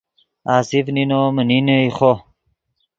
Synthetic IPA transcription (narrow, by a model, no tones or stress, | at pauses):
aːsifninoməninəiχo